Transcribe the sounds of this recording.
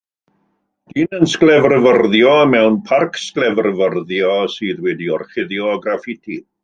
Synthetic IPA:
d̥iːnənsklɛvrəvərðjɔəmɛwnpʰarkʰsklɛvrəvərðjɔsɨːðwɛdiɔrχɪðjɔɡrafɪtʰi

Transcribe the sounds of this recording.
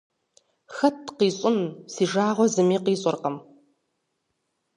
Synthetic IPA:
xɐtʰqiːɕʼʊnsiːʐaːʁʷɔzɨmiːqiːɕʼɔrqɐm

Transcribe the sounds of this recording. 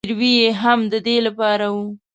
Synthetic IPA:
ɾwijeɦamd̪əd̪elapɑɾawu

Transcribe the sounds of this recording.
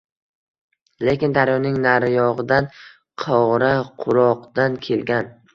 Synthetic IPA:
le̞kʲɪnd̪aɾjɒnɪŋnaɾjɒʁɨd̪an | qʰɒʁɾaqʰʊɾɒqd̪̥ankʲʰe̞lɡʲan

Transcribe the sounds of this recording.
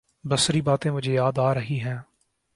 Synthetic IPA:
bəsɾiːbaːt̪ẽːmʊd͡ʒʱejaːd̪aːɾəɦiɦɛ̃ː

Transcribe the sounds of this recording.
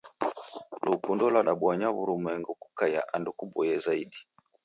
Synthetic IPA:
lukundɔlaɗaɓwaɲaβuɾumwɛŋɡuku̥kajaʔandukuɓɔjɛzaiɗi

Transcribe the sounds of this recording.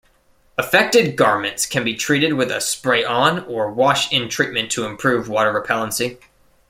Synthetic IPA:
əfɛk̚tɨd̚ɡɑɹmɨ̃ntskʰɨ̃nbitʰɹ̥iɾɨd̚wɨðɨ̰spɹeɪʔə̃nə˞wɑʃɪ̃ntʰɹ̥it̚mɨ̃ntʰɨɨ̃mpʰɹ̥ʉvwɔɾə˞ɹɨpʰɛlˠə̃nsi

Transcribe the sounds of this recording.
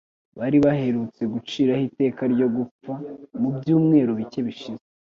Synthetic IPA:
βaɾiβaɦe̞ɾut͡se̞ɡut͡ʃiːɾahite̞ːkaɾɟo̞ɡup͡famubjuːmŋe̞ːɾoβice̞βiʃize

